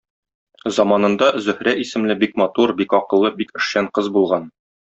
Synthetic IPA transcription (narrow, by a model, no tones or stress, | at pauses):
zɒmɑnɤ̆nd̪ɑzɵ̆hɾæʔisɘ̆mlɘbikmɑt̪uɾbikɒqɤ̆lˠːɤbikɵ̆ʃɕæɴqɤzbulˠʁɑn